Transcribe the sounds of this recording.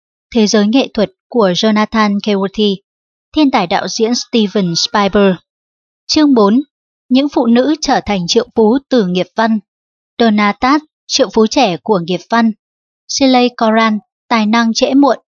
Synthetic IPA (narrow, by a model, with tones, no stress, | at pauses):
t̪ʰe˨˦zəː˨˦jŋḛ˧˨t̪ʰwə˨˩t̚ku˧˩əzo˧naː˧t̪ʰaː˧nke˧wu˧t̪ʰi˧ | t̪ʰe˧nt̪aː˧˨˩jɗa̰ː˧˨wzḭ˧˥ənst̪i˧və˨˩nspaː˧jɓəː˧ | t͡ɕɨ˧əŋɓo˨˦n | ɲɨ̰˧˥ŋfṵ˧˨nɨ̰˧˥t͡ɕəː˧˩t̪ʰa˨˩jŋ̟t͡ɕɨ̰˧˨əŋfu˨˦t̪ɨ˨˩ŋi˨˩əp̚va˧n | ɗo˧naː˧t̪aː˦˥t̚ | t͡ɕɨ̰˧˨əwŋfu˨˦t͡ɕɛ˧˩ku˧˩əŋi˨˩əp̚va˧n | si˧lə˧jkɔ˧zaː˧n | t̪aː˨˩jna˧ŋt͡ɕɛ̰˧˥mṵ˧˨ən